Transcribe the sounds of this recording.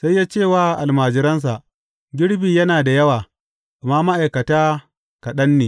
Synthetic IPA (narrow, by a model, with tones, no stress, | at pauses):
sa˦jːaː˦t͡ʃeː˦˨waː˦ʔa˨lmaː˨d͡ʒɪ˨ɾɐ˦ns̬a˨ʔ | ɡʲɪ˦ɽbiː˨jɐ˦naː˨da˨jɐ˦waː˨ | ʔa˨maː˦ma˦ʔa˨jkɐ˨taː˦ | kɐ˨ɗɐ˦nːeː˨